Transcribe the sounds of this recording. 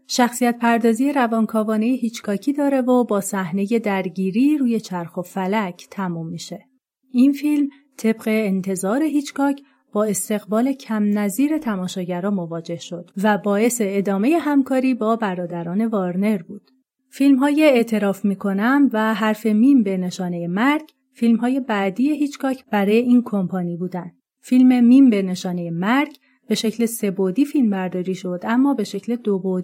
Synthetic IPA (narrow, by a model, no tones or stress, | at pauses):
ʃæxsijæt̪̚pʰæɾd̪ɒːziːjeɾævɒːnkʰɒːvɒːne̞jeɦiːt͡ʃkʰɒːcʰiːd̪ɒːɾe̞vobɒːsæhne̞je̞d̪æɾɟiːɾiːɾuːje̞t͡ʃʰæɾxo̞fælæcʰt̪ʰæmumːiːʃe̞ | infilm | t̪ʰe̞b̥ɢe̞ːnt̪ʰe̞zɒːɾe̞ɦiːt͡ʃkɒːcʰ | b̥ɒːe̞st̪e̞ɣbɒːle̞cʰæmnæziːɾe̞t̪ʰæmɒːʃɒːɟæɾɒːmo̞vɒːd͡ʒe̞hʃo̞d̪̥væbɒːe̞se̞ːd̪ɒːme̞je̞ɦæmkʰɒːɾiːbɒːbæɾɒːd̪æɾɒːne̞vɒːɾne̞ɾbuːd̪̥ | filmɦɒːjeet̪ʰe̞ɾɒːfmiːkʰo̞næmvæɦæɾfe̞mimbe̞ne̞ʃɒːnejemæɾɟ | filmɦɒːje̞bæd̪iːjeɦiːt͡ʃʰɡɒːcʰb̥æɾɒːjeiːnkʰo̞mpʰɒːniːbuːd̪ænd̪ | filme̞mimbe̞ne̞ʃɒːnejemæɾɟ | b̥e̞ʃe̞cʰle̞se̞bod̪iːfilmbæɾd̪ɒːɾiːʃo̞d̪æmːɒːbe̞ʃe̞cʰle̞d̪obod̪